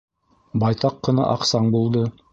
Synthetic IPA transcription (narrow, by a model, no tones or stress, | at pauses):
bɑjt̪ɑqːɤ̆nɑ̰ʔɑqsɑɴbulˠd̪ɤ